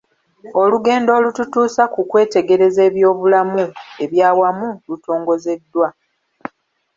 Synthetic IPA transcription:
o̞luɡe̞ːndo̞ːlututuːsakukwe̞ːte̞ɡe̞ɾe̞ze̞ːβjo̞ːβulamue̞βjaːwamuluto̞ːŋɡo̞ze̞dːwa

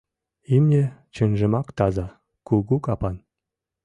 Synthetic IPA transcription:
imnʲet͡ɕə̆nʒɘ̆mɑkt̪ɑzɑ | kuɡukɑpɑn

